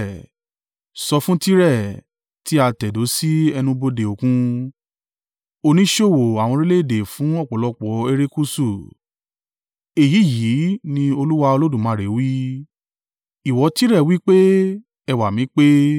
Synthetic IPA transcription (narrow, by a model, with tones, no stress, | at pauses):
sɔ˧fũ˦ti˦ɾɛ˦˨ | ti˦a˧tɛ˨do˨˦si˦ɛ˧nũ˧bo˧de˨o˨kũ˧ | o˧nĩ˦ʃo˦˨wo˨a˨w̃ɔ̃˧ɾi˦le˦˨de˨fũ˨˦ɔ˦˨k͡pɔ˨lɔ˧k͡pɔ˨˦e˧ɾe˦ku˦su˦˨ | e˨ji˨˦˨ji˨˦nĩ˧o˧lu˦wa˧o˧lo˦dũ˦˨mã˨˦˨ɾe˨˦wi˦ | i˨wɔ˨˧˦ti˦ɾɛ˦˨wi˦k͡pe˦ | ɛ˧˨wa˨mĩ˨˦k͡pe˦